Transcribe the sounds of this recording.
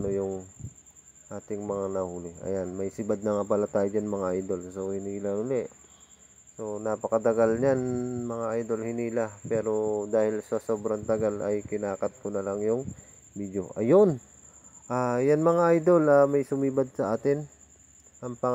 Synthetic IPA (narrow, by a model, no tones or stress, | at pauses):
nojʊŋ | ʔaːt̪ɪŋmɐŋanɐhuːlɪʔɐ̰janmɐjsɪbad̪̚nɐŋapalat̪aːjod͡ʒɐnmɐŋaʔajd̪o̞lsohɪniːlɐhʊlɛʔ | so̞napɐkɐt̪ɐɡalɲanmɐŋaʔajd̪o̞lhɪniːlapɛːɾo̞d̪aːhɪlsɐso̞ːbɾɐnt̪ɐɡalɐjkɪnaːkɐt̪̚konɐlaŋjʊŋ | biːd̪joʔɐjon | ʔajanmɐŋaʔajd̪o̞lɐmɐjsʊmiːbad̪̚sɐʔaːt̪ɪn | ʔɐŋpɐ